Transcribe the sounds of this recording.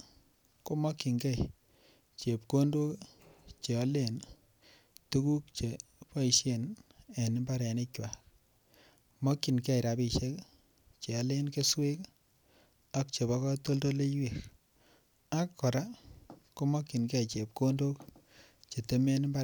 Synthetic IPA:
ko˦mɔ˦kːi˨ŋɡɛ˦˨j | t͡ʃe˨p̚ko˦ndo˦kt͡ʃe˨ɔ˦le˦˨n | tu˦ku˦k̚t͡ʃe˨pɔ˦i˨ʃe˦ne˨nɪ˦mba˦ɾe˨ne˦t͡ʃwa˨k | mɔ˦kːi˨nkɛ˦˨ɾa˨bi˨ʃe˦k | t͡ʃe˨ɔ˦le˦nke˦swe˦k | a˦k̚t͡ʃe˨bɔ˦kɔ˦to˦lto˦le˦jwe˨ɾ | a˦kːɔ˨ɾa˦ko˦mɔ˦kːi˨nɡe˦jt͡ʃe˨p̚ko˦ndo˦k | t͡ʃe˨te˦me˦ni˦mba˦

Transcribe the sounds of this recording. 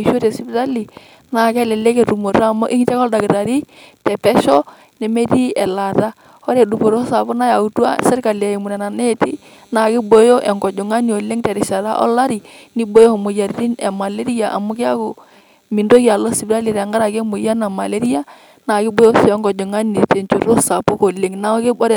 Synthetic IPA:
i˨ʃo˦te˨si˦bɾa˦li˨ | na˨kɛ˦lɛ˨le˦ke˨ɾu˨mo˨ɾaː˦˨mo˦ʔɪ˦ŋ˦tɛ˦kɔ˦lda˨ɡɾa˨ɾi˦tɛ˨pɛ˦ʃɔ˦ | nɛ˨me˦ti˦ɛ˨la˨ta˦ | ɔ˦ɾe˨du˨po˨ɾo˦sa˨bʊ˦na˦ja˨u˨tu˦a̰˦sɪ˦ɾka˨la˨e˨mu˨na˨na˨ne˦tḭ˦ | na˨kɪ˦bo˨jo˦ʔɛ˨ŋɡɔ˨d͡ʒo˨ŋa˦ni˦o˨le˦ŋtɛ˨ɾɪ˨ʃa˨ɾa̰˦ʔɔ̰˦la˦ɾi˨ni˦bo˦jo˦˨mo˨ja˨ɾi˦ɾi˦nɛ˨ma˨le˦ɾi˦a˨ʔa̰˨mo˦kɪ˦a˦ko˨ | mi˨ndo˦ki˦a˨lo˦si˨bɾa˦li˨ɾa˨ŋɡa˦ɾa˨ke˦mo˨ja˦na˨ma˨le˦ɾi˦a˦ | na˨kɪ˦bo˨˦jo˦sɛ˦ŋɡɔ˨d͡ʒo˨ŋa˦ni˨te˨nt͡ʃu˨ɾo˦sa˨po˦ko˨le˨ŋna˦kɪ˦ɔ˦ɾ

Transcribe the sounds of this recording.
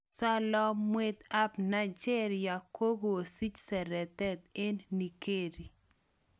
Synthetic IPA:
sa˦lɔ˦mwe˦t̪a˦pna˦t͡ʃɛ˦ɾja˨ko˦bo˨o˨si˦t͡ʃsɛ˨ɾɛ˨t̪ɛ˦t̪e˦nːi˨ke˦˨ɾi˨

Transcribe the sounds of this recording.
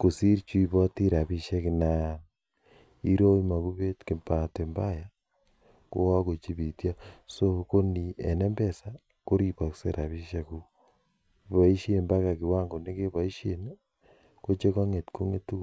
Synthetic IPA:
ko˨si˦ɾit͡ʃu˦i˨βa˦ti˦ɾa˨βi˦ʃe˦ki˨na˦ | i˦ɾo˦i˦ma˨ku˦βe˦tke˨mpa˨te˨mba˦ja˦ | ko̰˦wa˦ko˨t͡ʃi˦βi˨tja˦so˦ko˦ni˨e˨ne˦mbe˦˨sa˦ | ko˦ɾi˦pa˨kse˦ɾʔa˨βi˦ʃe˦ku˦˨ | βa˨i˦ʃi˦e˨mba˦ka˨ki˨wa˦ŋɡo˨ne˦ke˦βa˨i˦ʃe˨n | ko˦t͡ʃe˦ka˦ŋe˨tko˦ŋe˦tu˦

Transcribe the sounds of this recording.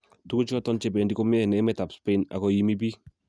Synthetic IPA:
tu˦ku˦t͡ʃɔ˦tɔ˦nt͡ʃɛ˦bɛ˨ndi˦kɔ˦mɪ˦ɛ˦˨nɛ˨˦mɛ˦ta˨pspe˦na̰˨kɔ˦ji˦mi˦b̬i˦

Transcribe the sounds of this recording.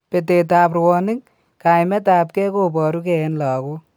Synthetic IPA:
pe˨t̬e˨taː˨prwɔː˧nɪ˦ŋ | ka˨jmɛ˦taː˨p̚ke˦kopɔ˨ɾu˦ke˨˦nlɔ˨ko˦

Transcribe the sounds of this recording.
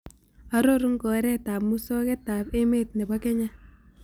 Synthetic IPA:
a˦ɾo˦ɾu˦ŋkɔ˨ɾɛ˦taː˨p̚mu˦sɔ˦kɛ˦taː˨pe˦me˦t̚nɛ˨ba˦kɛ˦ɲa˦

